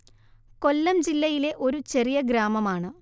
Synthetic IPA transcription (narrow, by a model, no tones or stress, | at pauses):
ko̞lːɐmd͡ʑilːɐjile̞ʔo̞ɾut͡ɕe̞rijɐɡɾaːmɐmaːɳɨ